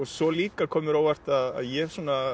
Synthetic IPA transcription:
ɔsɔliːkakʰɔːmʏɾaːwvar̥t̪aða̰ðjɛsuːna

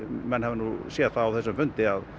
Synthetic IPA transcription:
mɛnhɛvnuːsjɛːðθaawθɛsʏmfʏnt̪ɪað

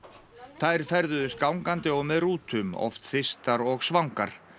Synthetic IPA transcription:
θajɾ̥fɛɾðʏðʏst̪̚kawŋkant̪ɪɔɣmɛðruːt̪ʏmɔ̰ft̪θɪst̪aɾɔɣsvawŋka̰ɾ̥

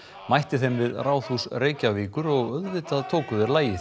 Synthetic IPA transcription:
majht̪ɪθɛmvɪðraːwθusreːjcaviːkʏɾɔɣœðvɪt̪aðt̪ʰoːkʏðɪɾlaːjɪθ

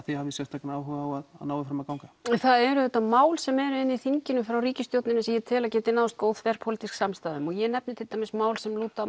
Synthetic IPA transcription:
θihavɪsjɛst̪ːakanaːwɦʏɣawaða̰ðnaːwɪfɾamaðkaːwŋkaɛθaðɛɾʏðɛt̪ːamaːwlsɛmɛɾʏɪnːiθiɲcɪnʏfɾawriːcɪst̪jowt̪nɪnasɛjɛt̪ʰɛːlacɛːt̪ɪnaːwst̪̚koːwðfɛɾ̥pʰolt̪isksamst̪aːðʏmɔjɛnɛpnɪt̪ʰɪlt̪amɛsmaːwlsɛmluːt̪a

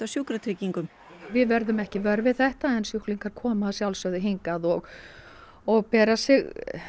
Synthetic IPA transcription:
asjuːkɾat̪ʰɾiciŋkʏm | vɪðvɛɾðʏmɛhcɪvœɾvɪðθɛht̪aɛnsjuhkliŋkaɾ̥kʰɔːmaːsjawlsœðɪɦiŋkaðɔɣ | ɔɣpɛːɾasɪɣ

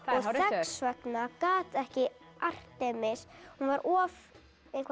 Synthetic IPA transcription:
ɔɣθɛsvœt̪nakaːt̪ɛhcɪ | ar̥t̪ɛːmɪshunvaɾʔɔːv | ejŋkʰva

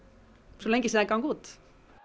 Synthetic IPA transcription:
sulːeŋɡisiɛkɑŋɡ̥uːt̪

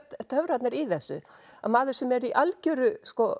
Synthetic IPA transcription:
t̪t̪ʰœvɾat̪nɪɾiθɛsːʏ̰ | amaːðʏɾ̥sɛmɛɾiʔalcœːɾʏskɔ

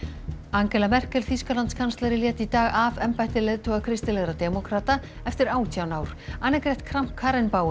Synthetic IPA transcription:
aŋcɛlamɛr̥cɛlθiskalant̪skʰanst̪ɛɾɪljɛːt̪it̪aːɣavɛmpajt̪ɪlejðt̪ʰɔɣakʰɾɪst̪ɪlɛɣɾat̪ɛmɔkʰɾaːt̪a | ɛft̪ɪɾaːwt̪ʰjawnaːwɾ̥aːnːɪkɾɛjht̪kʰɾam̥pkʰːaːɾɪnpaːw

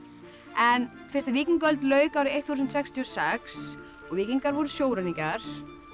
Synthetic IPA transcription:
ɛn | fɪ̥rst̪aviːciŋkœlt̪lœːɥkawɾɪejht̪huːs̬nt̪sɛkst̪ʰiɔsɛks | ɔɣviːciŋkaɾvɔɾʏsjoːwɾanicaɾ̥

